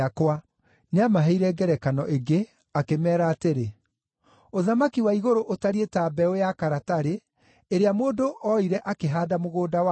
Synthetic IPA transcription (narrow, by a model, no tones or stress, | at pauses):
akwa | neamaɦɛiɾɛɡɛɾɛkanɔʔeɡe | akemɛːɾaːteɾe | oðamakiwaiɣoɾoʔotaɾietaːbɛojakaɾataɾe | eɾeamoːdoʔɔiɾɛʔakeɦaːdamoɣoːdawa